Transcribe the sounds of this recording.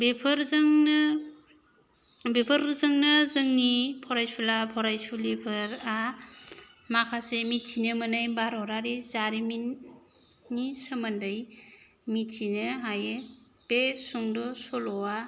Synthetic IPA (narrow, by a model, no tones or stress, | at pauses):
bepʰɯɾzŋn | bepʰəɾzɯŋnɯzɯŋnipʰɔɾajsulapʰɔɾajsulipʰɯɾa | makʰasemitsinɯmɯnajbaɾɔɾaɾizaɾiminː | isəmandɯj | mitsinɯɦaje | pesuŋdɔsɔlɔwa